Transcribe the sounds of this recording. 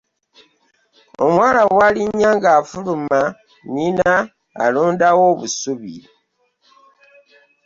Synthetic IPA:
o̰mwalawaliɲaŋɡafuluma | nina̰ː | loːndawoβusuβḭ

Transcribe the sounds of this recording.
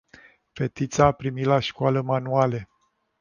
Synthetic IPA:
fet̪it̪saːpɾimilaʃkoaləmanuale

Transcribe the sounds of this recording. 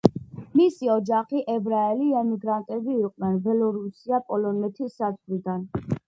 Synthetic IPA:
misiɔd͡ʒaχiʔɛbɾaɛliɛmiɡɾant̪ʼɛbiːqʼnɛnbɛlɔɾusiapʼɔlɔnɛt̪ʰisːat̪lid̪an

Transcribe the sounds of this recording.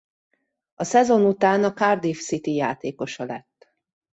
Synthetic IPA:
ɒsɛzo̞nut̪aːnɒkard̪ifsit̪ijaːt̪eːko̞ʃɒlɛt̪ː

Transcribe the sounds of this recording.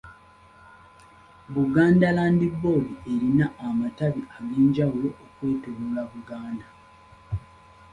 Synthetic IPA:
βuɡaːndalaːndibːo̞lie̞ɾinaːmataβiaɡeːɲɟawulo̞ʔːkwe̞ːtoβolaβuɡaːnda

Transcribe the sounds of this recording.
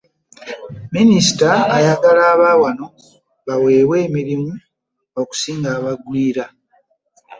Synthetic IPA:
minisi̥taːjaɡalaːβaːwano̞ | βawe̞ːβwe̞ːmiɾimu | o̞ku̥siːŋɡaːβaɡwiːɾa

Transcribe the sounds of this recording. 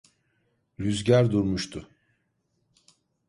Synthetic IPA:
ɾyzɟæɾd̪uɾmuʃt̪ʰʊ

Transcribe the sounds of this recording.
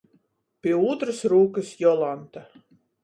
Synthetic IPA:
pʲiɛuːt̪ɾɨsɾuːkɨsjɔlˠant̪a

